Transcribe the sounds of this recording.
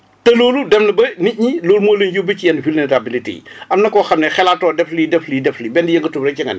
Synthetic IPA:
tɐloːludɛfnɐbɐniɲiloːlumoːlənjubəcijɛnvilneɾabilitḭʔɐmnɐkːɔxɐmnɛxɛlaːtɔːdɛflidɛflidɛflibɛndijɐŋɡətubɾɐcɐŋɡɐ̰nɛ̰

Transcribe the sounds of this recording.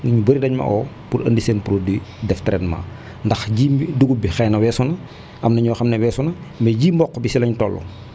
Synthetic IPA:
nɐɲubəɾidɐɲmɐ̰ʔɔː | puɾɐ̰ndiseːnpuɾodidɛftɛɾɛnma̰ː | ndɐxɟiːduɡubixɛːnɐwɛːsunɐ | ʔɐmnɐɲɔxɐmnɛwɛːsunɐmɛɟiːmbɔkːɔbisilɐɲtɔlːɔ̰

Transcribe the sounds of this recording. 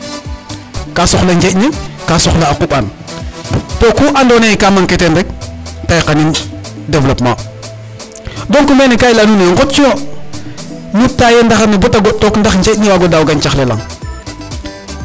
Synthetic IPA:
kasɔxleɲd͡ʒenikasɔxleakupan | tokuʔandɔneikamaŋketendɛk̚tajkanin | devlopma | dɔŋkumenikajlanuneŋɡɔt̚t͡ʃio | nutːajendaxanebɔtaɡɔtɔkndaxɲd͡ʒetniwaɡodaːwɡant͡ʃaxlela̰ŋ

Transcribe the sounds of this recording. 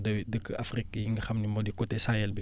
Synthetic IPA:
dɐwidəkːa̰frikːjiŋɡɐxɐmnimɔdikɔtɛsajɛlbi

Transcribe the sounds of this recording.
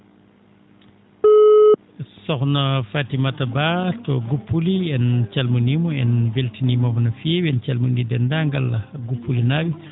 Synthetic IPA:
sɔxnafaːtimatabatɔɡupːuliɛnt͡ʃalmunimɔɛnveltinimɔbɔnafɛwɛnt͡ʃalmundidɛndaŋɡalaɡupːulinawi

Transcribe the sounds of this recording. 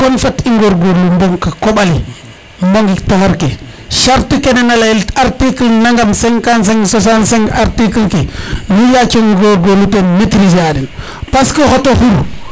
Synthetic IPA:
konfatiŋɡoɾɡolumbomkakoɓali | mboŋɡiktahaɾke | ʃaɾtikenenalajilaɾtiklnaŋɡamseŋkans̬eŋsos̬anseŋɡaɾtiklkenujakeŋɡoɾɡonutenmetɾisadin | paskoxotoxuɾu

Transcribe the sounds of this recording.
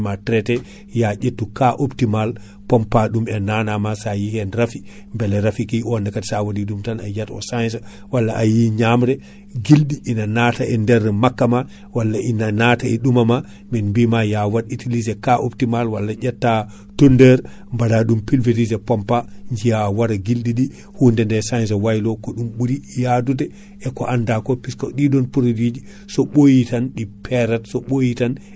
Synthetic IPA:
matɾɛtɛ | jaɟetːukaʔoptimal | pɔmpaɗumɛnanamasajihɛnɾafi | mbɛlɛɾafikiɔndɛkatsawadiɗumtana̰jatɔ̰sansa | walːaʔajiɲamɾɛ | ɡilɗiʔinanataɛndɛɾːɛmakːama | walːaʔinanataɛɗumama | minmbimajawaditilizɛkaʔoptimalwalːad͡ʒatːa | tondɛɾ | mbadaɗumpilveɾizɛpɔmpaɲd͡ʒijawaɾaɡilɗiɗi | hundɛndɛsajnzawajlɔkɔɗumɓuɾijadudɛ | ɛkɔʔandakɔpiskɔɗidɔnpuɾodid͡ʒi | sɔɓojitanɗipʰɛɾatsɔɓojitan

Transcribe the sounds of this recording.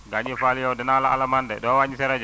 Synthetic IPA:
ɡaɲɛfalijawdɛnalaʔalamandɛɗɔwaɲisɛɾɛd͡ʒɛ

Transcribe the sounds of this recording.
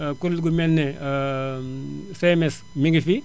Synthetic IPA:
kulːɡumɛnːe | semes | miɡifi

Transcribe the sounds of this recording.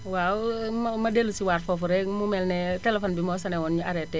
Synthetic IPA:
waummɐdelusiwaːɾfɔfuɾɛmumɛlnɛtɛlɛfɔnbimɔːsɐnɛwɔnɲuaɾɛtːɛ

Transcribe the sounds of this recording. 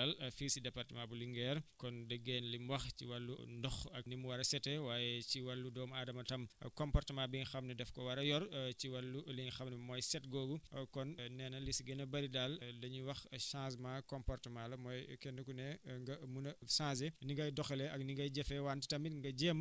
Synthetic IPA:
ɐlfiːsidɛpartɐmãbuliŋɡɛːɾkɔndəɡːeːnlimwɐxciwɐlːṵndɔxɐ̰k̚nimuwɐɾɐsɛtɛwaːjɛciwɐlːudɔːmaːdɐmɐtɐmkɔmpɔrtɐmãːbiŋxɐmnɐdɛfkɔwɐɾɐjɔrciwɐlːuliŋxɐmnɐmɔːjsɛtɡɔːɡukɔnnɛːnɐlisiɡɐnɐbɐɾidaldɐɲuwɐxʃãːs̬maːkɔmpɔrtɐmaːlɐmɔːjkɛndɐkunɛŋɡɐmunɐsãːsɛniŋɡɐjdɔxɛlɛɐk̚niŋɡɐjɟɛfɛwanti̥tɐmiŋɡɐɟɛːm

